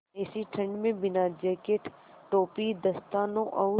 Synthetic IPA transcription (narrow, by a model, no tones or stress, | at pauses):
esiʈʰə̃ɳɖmẽbɪnad͡ʒeːkeʈ | ʈoːpid̪ɐst̪aːnõʔɐʊ